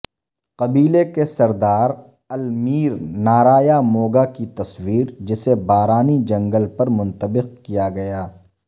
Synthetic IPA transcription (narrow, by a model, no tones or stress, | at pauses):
qɐbiːlekesɐɾd̪aːɾ | ɐlmiːɾnaːɾaːjamoːɡakit̪ɐswiːɾd͡ʒɪsebaːɾaːnid͡ʒɐ̃ŋɡəlpɐɾmʊ̃nt̪əbɪq̚kijaɡɐjaː